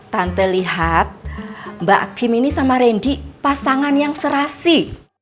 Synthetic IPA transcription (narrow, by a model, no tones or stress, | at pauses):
t̪ant̪eliɦat̪̚mba̰ʔaɡ̥i̤minisamaɾenɖiʔpasaŋanjaŋsəɾasi